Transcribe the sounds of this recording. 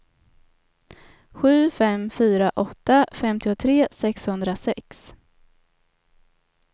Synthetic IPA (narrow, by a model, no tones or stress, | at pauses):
ɧʉ̟ːfɛmfyːɾaʔɔt̪ːafɛmt̪ɪʊt̪ʰɾeːsɛkshɵnd̪ɾasɛks